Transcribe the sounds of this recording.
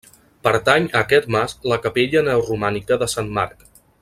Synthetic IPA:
pəɾt̪aɲəkɛt̪masləkəpeʎənɛwrumanikəðəsanma̰ɾk

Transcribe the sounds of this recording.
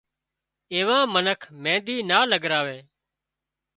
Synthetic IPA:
eːʋãːmənəkʰmẽːd̪iːnaːləɡɾaːʋeː

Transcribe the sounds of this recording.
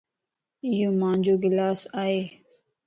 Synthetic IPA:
jõmãːnd͡ʑoːɡɪlaːsaːe

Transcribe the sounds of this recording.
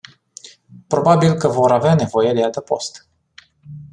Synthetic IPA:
pɾo̞babilkəvo̞ɾaveane̞vo̞je̞d̪eat̪əpo̞̰st̪

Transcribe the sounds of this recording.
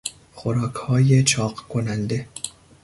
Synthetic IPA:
xoɾɒːkʰhɒːje̞t͡ʃʰɒːɢkʰonænd̪e̞

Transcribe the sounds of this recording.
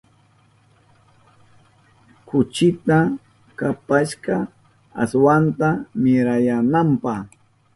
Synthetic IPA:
kʊt͡ʃɪt̪a | kapaʃɢɑ | a̰swant̪amɪɾajanampɑχ

